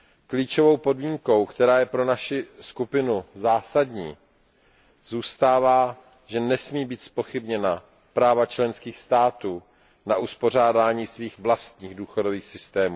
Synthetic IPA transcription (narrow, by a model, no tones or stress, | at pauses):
kliːt͡ʃo̞vo̞wpo̞dmiːŋko̞wkt̪ɛɾaːjɛpɾo̞naʃɪskupɪnuzaːsadɲiː | zuːst̪aːvaː | ʒɛnɛsmiːbiːt̪spo̞xɪbɲɛna | pɾaːvat͡ʃlɛnskiːxst̪aːt̪uː | naʔuspo̞r̝aːdaːɲiːsviːxvlast̪ɲiːɣduːxodo̞viːxsɪst̪ɛːmuː